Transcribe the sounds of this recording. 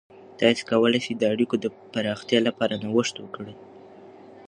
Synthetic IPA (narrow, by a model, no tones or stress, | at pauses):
t̪ɑse̥kawəlajsed̪əaɽikod̪əpaɾɑxt̪jɑlapɑɾanawəʂt̪wəkɽe